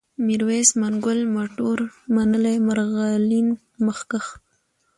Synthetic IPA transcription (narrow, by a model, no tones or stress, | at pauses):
miɾwesmaŋɡʊlmoʈoɾmanəlemaɾɣalin | məxkax